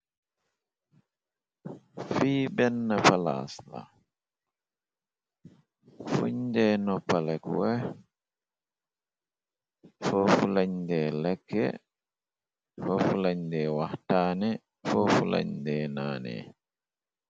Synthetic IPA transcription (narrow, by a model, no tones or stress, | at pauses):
fiːbɛnːapala̰sla̰ | fṵɲdɛnɔpːalɛkwɛ | fofulaɲdɛlɛkːɛ̰ | fɔfulaɲdɛːwahtaːnɛ | fofula̰ɲdɛːnaːnɛ̰